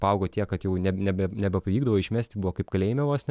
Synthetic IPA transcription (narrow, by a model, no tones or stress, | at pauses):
pɐʊɡoːt̪ʲiɛkɐt̪jɛʊnʲɛnʲɛbʲɛnʲɛbʲɛpɐʋʲiːɡd̪ɐʋoːɪʃʲmʲæːsʲt̪ʲɪbuʋoːkɐɪpkɐlʲɛɪmʲɛʋoːsʲnʲɛ